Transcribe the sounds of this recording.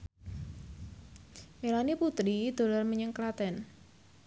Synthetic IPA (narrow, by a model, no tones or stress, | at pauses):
milaniput̪ɾid̪̥o̤lɔrməɲəŋklat̪ɛn